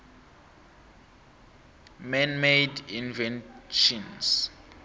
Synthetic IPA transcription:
mɛnmejdinvɛnʃɔns

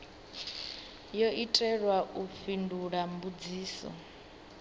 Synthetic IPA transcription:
jɔʔitʼɛɺwaʔuɸinduɺambud͡ziːsɔ̰

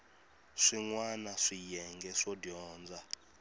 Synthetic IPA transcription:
ʂiŋwanaʂijɛŋɡɛʂɔdjɔːnd͡za

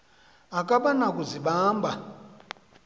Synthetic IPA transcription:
akʼaɓanakuziɓaːmba

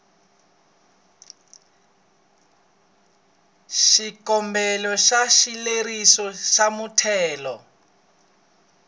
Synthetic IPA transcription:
ʃikɔmbɛlɔʃaʃilerisɔʃamutʰɛːlɔ

